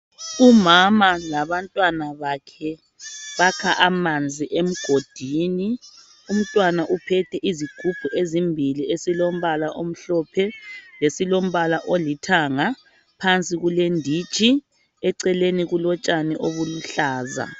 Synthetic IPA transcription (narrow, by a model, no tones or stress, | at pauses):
umamalaβantʼwanaβakʰɛ | βakʰaʔamand͡zʱiʔem̩ɡ̥ʱod̥ʱiːni | um̩tʼwanaʔupʰɛtʰɛʔiziɡ̥ʱub̥ʱuʔezimbʱiliesilom̩βalaʔom̩ɬɔːpʰɛlesilom̩βalaʔolitʰaŋa | pʰant͡sʼiɣulendʱi̥t͡ʃʰʼi | ɛǀɛleniɣulɔt͡ʃʼaniʔoβuluɬaːza̰